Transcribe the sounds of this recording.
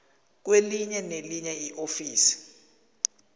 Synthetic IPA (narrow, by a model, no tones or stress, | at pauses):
k̬weliɲɛneliɲɛjiʔofiːsi̥